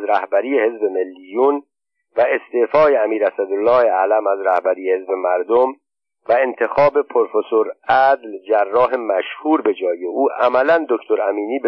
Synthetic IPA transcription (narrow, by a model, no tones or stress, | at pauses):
zɾæhbæɾiːehe̞zbe̞me̞lːijuːn | væest̪eːfɒːjeæmiːɾæsæd̪olːɒːheælæmæzɾæhbæɾiːjehe̞zbe̞mæɾd̪om | væe̞nt̪ʰe̞xɒːbe̞pʰoɾfesoɾæd̪ld͡ʒærːɒːɦe̞mæʃhuːɾbe̞d͡ʒɒːjeʔuːʔæmælænd̪o̞ct̪ʰo̞ɾæmiːniːbe